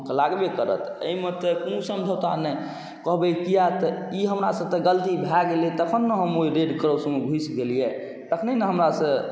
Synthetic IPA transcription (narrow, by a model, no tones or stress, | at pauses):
kelaɡbekəɾə̰t̪ʰə̰imet̪əkuũsəmd͡ʒʱəwt̪anɛ | kɔɦbɛkijat̪əiɦəmɾasə̃t̪əɡəlt̪ibʱaɡelet̪əkʰənːəɦəmoiɾeɖkəɾəwsəmebʱuisɡelijɛ | t̪əkʰnenəɦəmɾasə̃